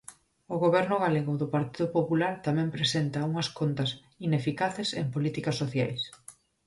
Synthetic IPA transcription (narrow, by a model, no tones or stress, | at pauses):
ʊɣoβɛɾnʊɣaleɣʊðʊpaɾt̪iðʊpopulaɾt̪amɛ̃mpɾesent̪ɐuŋɐskont̪ɐs | inefikaθesempolit̪ikɐsːoθjajs